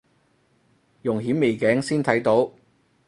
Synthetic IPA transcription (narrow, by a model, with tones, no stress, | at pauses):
jʊ˨˩ŋɦiː˨˥mme˨˩jkɛː˨˥ŋsiː˥nt̪ʰɐ˨˥jt̪o˨˥w